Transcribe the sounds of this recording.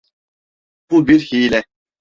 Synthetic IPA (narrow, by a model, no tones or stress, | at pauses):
b̥ubiɾhiːlɛ